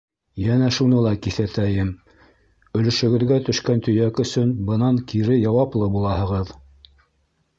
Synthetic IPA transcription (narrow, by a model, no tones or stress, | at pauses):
jænæʃunɤlˠɑkiθæt̪æjɘm | ɵ̆lɵ̆ʃɵ̆ɡɘ̆ðɡæt̪ɵ̆ʃkænt̪ɵ̆jækɵ̆sɵnbɤ̆nɑŋkiɾɘjɑwɑplˠɤbulˠɑhɤ̆ʁɤð